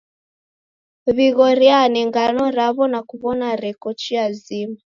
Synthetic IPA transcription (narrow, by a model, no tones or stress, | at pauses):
βiɣɔɾjanɛŋɡanɔɾaβɔnakuβɔnaɾɛkɔt͡ʃiazima